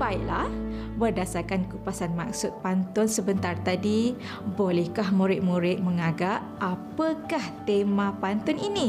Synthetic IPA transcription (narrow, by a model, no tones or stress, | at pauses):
baiʔlah | bərdasarkankupasanmak̚sʊt̪̚pant̪ʊnsəbənt̪art̪adi | bolɛhkahmũɾɪt̪̚mũɾɪt̪̚məŋaɡaʔ | apəkaht̪emãpant̪ʊninĩ